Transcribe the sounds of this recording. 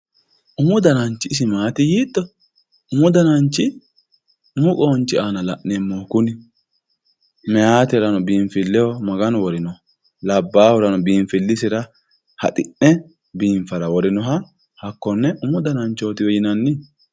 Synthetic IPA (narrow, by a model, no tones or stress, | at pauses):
ʔʊmʊd̪ɐnɐnt͡ʃːɪs̬ɪmaːt̪ɪjiːt̪ːɔ | ʊmʊd̪ɐnɐnt͡ʃːɪ | ʊmʊkʼoːnt͡ʃːɪaːnɐlɐ̰ʔnɛmːokʊnɪ | mɛjaːt̪ɪɾɐnɔbiːɱfɪlːɛhɔmɐɡɐnɔwɔɾɪnɔh | lɐbːaːhɔɾɐnɔbiːɱfɪlːɪsɪɾɐ | hɐ̰t̪ʼɪʔːɛ | biːɱfɐɾɐwɔɾɪnɔɦɐ | hɐkːɔnːɛʔʊmʊd̪ɐnɐnt͡ʃːo̞ːt̪ɪwɔjɪnɐnːɪ